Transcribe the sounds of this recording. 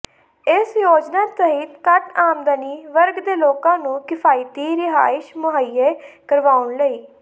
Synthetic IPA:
ɪsjoːd͡ʒnaːt̪əɦiːt̪kəʈaːmd̪əniːʋəɾɡd̪eːloːkãːnũːkɪpʰaːɪt̪iːɾɪɦa̰ːɪʃmʊɦaiːeːkəɾʋaːʊɳləiː

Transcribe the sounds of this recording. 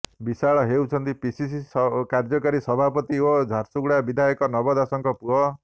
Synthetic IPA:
bisaɭɔɦewt͡ʃʰɔnt̪ipisisiskaɾd͡ʒɔkaɾisɔbʱapɔt̪iod͡ʒʱaɾsuɡɽabid̪ʱajɔkɔnɔbɔd̪asɔŋkɔpuɦɔ

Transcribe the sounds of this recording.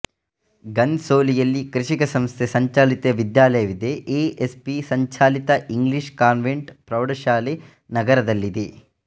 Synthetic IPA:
ɡɐnsoːlijɐlːikɾiʂikɐsɐmst̪ʰesɐɲt͡ʃaːlit̪eʋid̪jaːlɐjɐʋid̪eʔeːespisɐɲt͡ʃaːlit̪ɐʔiŋɡliʂkaːnʋeɳʈpɾɐwɖɐʃaːle | nɐɡɐɾɐd̪ɐlːid̪e

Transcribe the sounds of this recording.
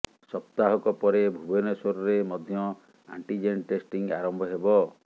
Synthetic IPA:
sɔp̚t̪aɦɔkɔpɔɾebʱubenesoɾɔɾemɔd̪ʱjɔ | a̰ɳʈid͡ʒenʈesʈiŋaɾɔmbʱɔɦebɔ

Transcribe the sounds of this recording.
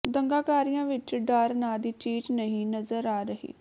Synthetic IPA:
d̪əŋɡaːkaːɾijãːʋɪt͡ʃɖaːɾnaːd̪iːt͡ʃiːd͡ʒnəɦĩːnəzəɾaːɾəɦḭː

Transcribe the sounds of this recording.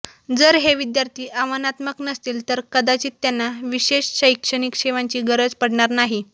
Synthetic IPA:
d͡zəɾɦeʋid̪jaɾt̪ʰiːʔaʋənat̪məknəst̪iːlt̪əɾkəd̪at͡ɕiːt̪ːjanːaʋiɕeɕɕəjkʂəɳ̃ikʂeʋaɲt͡ɕiːɡəɾəd͡zpəɽɳaɾnaɦi

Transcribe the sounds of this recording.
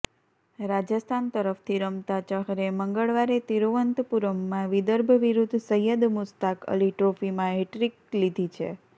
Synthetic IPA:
ɾad͡ʒəst̪ʰant̪əɾəft̪ʰiɾəmt̪at͡ʃəɦɾeməŋɡəɭʋaɾet̪iɾoʋənt̪puɾəmːãʋid̪əɾbʱəʋiɾud̪ʱsəjəd̪mʊst̪akə̰liʈɾofimãɦeʈɾiklid̪ʱit͡ʃʰḛ

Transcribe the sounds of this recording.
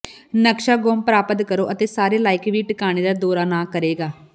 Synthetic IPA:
nəkʃaːɡoːmpɾaːpət̪kəɾoːʔət̪eːsaːɾeːlaːɪkʋiːʈɪkaːɽ̃eːd̪aːd̪oːɾaːnãːkəɾeːɡaː

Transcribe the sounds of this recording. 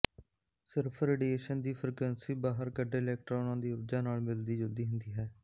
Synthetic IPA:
sɪɾpʰɾeːɖiːeːʃənd̪iːpʰɾɪkwɛːnsiːbaːɦəɾkəɖeːlɛːk̚ʈɾaːʊnãːd̪iːəbd͡ʒãːnaːlmɪld̪iːd͡ʒəld̪iːɦʊnd̪iːɦɛː

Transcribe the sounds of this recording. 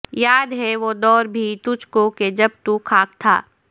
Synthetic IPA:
jaːd̪ɦɛʋod̪ɔːɾbʱit̪ʊd͡ʒkoked͡ʒɐbt̪ukʰaːk̚t̪ʰa̰ː

